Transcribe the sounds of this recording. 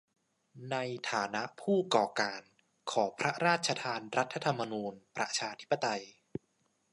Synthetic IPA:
na˧jt̪ʰaː˩˦na˦˥ʔpʰuː˥˩kɔː˨˩kaː˨˧n | kʰɔː˩˦pʰɾa˦˥ɾaː˥˩t̪̚t͡ɕʰa˧t̪ʰaː˧nɾa˦˥t̪ʰːa˧t̪ʰa˧mːa˧nuː˧npɾa˧t͡ɕʰaː˧t̪ʰi˦˥pːa˧t̪a˧j

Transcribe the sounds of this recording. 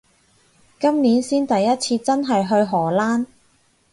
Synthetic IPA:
kɐ˥mniː˨˥nsiː˥nt̪ɐ˨jːɐ˦˥t̚t͡sʰiː˧t͡sɐ˥nɦɐ˨jɦɵ˧ɥɦɔː˨˩laː˥n

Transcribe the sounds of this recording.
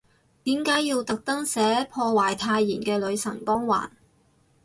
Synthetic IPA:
t̪iː˨˥mkaː˨˥jiː˧wt̪ɐ˨k̚t̪ɐ˥ŋsɛː˨˥pʰɔː˧waː˨˩jt̪ʰaː˧jːiː˨˩nkɛː˧lɵ˨˧ɥsɐ˨˩ŋkɔː˥ŋwa̰ː˨˩n

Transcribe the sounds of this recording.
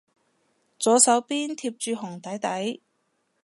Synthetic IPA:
t͡sɔː˨˥sɐ˨˥wpiː˥nt̪ʰiː˧p̚t͡ʃyː˨˧ɦʊ˨˩ŋt̪ɐ˨˥jt̪ɐ˨˥j

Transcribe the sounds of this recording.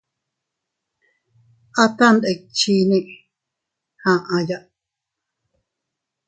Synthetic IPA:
ʔa˦t̪a˦nd̪e˨k̚t͡ʃi˦nĩ˦ʔ | hã˨ʔã˧ja˦ʔ

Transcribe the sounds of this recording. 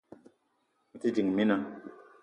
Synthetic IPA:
mu˨ti˦d͡ʒi˨ŋ˨mi˦na˦

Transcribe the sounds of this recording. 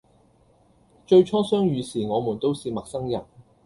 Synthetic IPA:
t͡ʃɵ˧ɥt͡ʃʰɔː˥sœː˥ŋjyː˨˧siː˨˩ŋɔː˨˧muː˨˩nt̪o˥wsiː˨˧mɐ˨k̚sɐ˥ŋjɐ˨˩n

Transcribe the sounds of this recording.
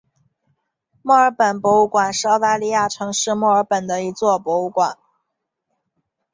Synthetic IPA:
mwɔ˥˩ə˞˧˥pə˨˩npwɔ˧˥u˥˩kwa˨˩nʂɻ̩˥˩˧ɑ˥ʊt̪a˥˧li˥˧ja˥˩ʈ͡ʂʰɤ˧˥ŋʂɻ̩˥˧mwɔ˥˩ə˞˧˥pə˨˩nd̪ə˦i˧˥t͡swɔ˥˩pwɔ˧˥u˧˥kwa˨˩˦n

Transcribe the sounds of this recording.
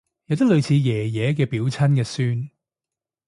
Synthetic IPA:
jɐ˨˧wt̪ɐ˥lɵ˨˧ɥt͡sʰiː˨˧jɛː˨˩jɛː˨˧k̬ɛː˧piː˨˥wt͡sʰɐ˥nkɛː˧syː˥n

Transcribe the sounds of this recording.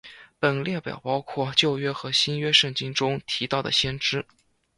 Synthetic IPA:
pə˨˩nljɛ˥˩pjɑ̰˨˩ʊpɑ˥ʊkʰwɔ˥˩t͡ɕjo˥˧ʊɥɛ˥xɤ˧˥ɕi˥nɥɛ˥ʂɤ˥˩ŋt͡ɕi˥ŋʈ͡ʂʊ˥ŋt̪ʰi˧˥t̪ɑ˥˩ʊd̪ə̰˩ɕjɛ˥nʈ͡ʂɻ̩˥

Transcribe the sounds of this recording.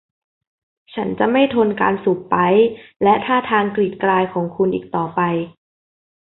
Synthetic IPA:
t͡ɕʰa˦˥nt͡ɕa˨˩ma˥˩jt̪ʰo˧nka̰ː˧nsuː˨˩ppːa˦˥jlɛ˦˥ʔt̪ʰaː˥˩t̪ʰaː˧ŋkli˨˩t̪̚klaː˧jkʰɔː˩˦ŋkʰu˧nʔiː˨˩k̚t̪ɔː˨˩pa˧j

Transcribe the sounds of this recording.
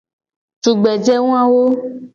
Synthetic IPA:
tu˨ɡ͡bɛ˨d͡ʒɛ˦ŋũ˦a˦wo˦

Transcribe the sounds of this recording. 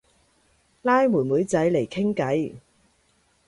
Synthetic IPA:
laː˥jmuː˨˩nmuː˨˥jt͡sɐ˨˥jle˨˩jkʰɪ˥ŋkɐ˨˥j

